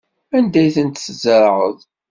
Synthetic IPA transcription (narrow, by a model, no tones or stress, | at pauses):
ænd̪æjθənt̪szəɾˤʕə̰ðˤ